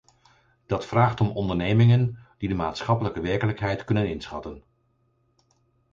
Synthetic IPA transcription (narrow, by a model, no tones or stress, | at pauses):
d̥ɑtfraːχtɔmɔndəɹnejmɪŋənd̥idəmaːtsχɑpələkəʋɛɹkələkɦɛjtkɵnənɪnsχɑ̰tən